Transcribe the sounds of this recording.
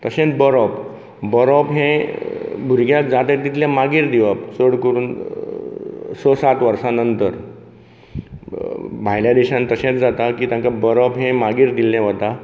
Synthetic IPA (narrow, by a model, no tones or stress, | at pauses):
t̪əɕẽt̪bəɾɔp | bəɾɔpɦɛ̃ | bʱuɾɡjak̚d͡zat̪ek̚t̪it̪ljamaɡiɾd̪iʋapsəɽkoɾuːn | səsat̪ʋəɾsanənt̪əɾ | bʱajljad̪eɕãnt̪əɕẽt͡sd͡zat̪akiːt̪ãŋkabəɾɔpɦɛ̃maɡiːɾd̪ilːɛ̃ʋət̪a